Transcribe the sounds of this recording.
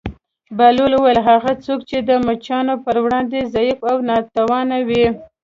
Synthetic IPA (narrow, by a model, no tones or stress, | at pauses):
baloluwajəlɦaɣat͡sokt͡ʃed̪əmat͡ʃɑnopəɾwɽɑnd̪ezɑjifawnɑt̪awɑnawi